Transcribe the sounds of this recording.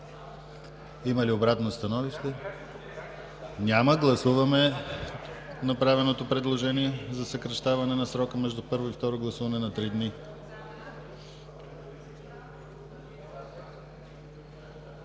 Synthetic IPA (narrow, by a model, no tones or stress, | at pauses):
imɐliobɾat̪nost̪ɐnɔviʃt̪ɛ | nʲaməɡlˠɐsuvɐmɛ | nɐpɾavɛnot̪opɾɛd̪lˠoʒɛniɛzɐsɐkɾɐʃt̪avɐnɛnɐsɾɔkəmɛʒd̪upɤɾvoift̪ɔɾoɡlˠɐsuvɐnɛnɐt̪ɾid̪ni